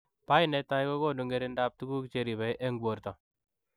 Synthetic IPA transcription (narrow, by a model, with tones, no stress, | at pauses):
pa˦inɛ˨ta˦jko˦ko˦ndu˨ŋɡe˦ɾe˦nda˦p̚tu˦ɡu˦kt͡ʃe˨˦ɾi˨βɛ˨jʔe˦ŋɡwo˨rtɔ˨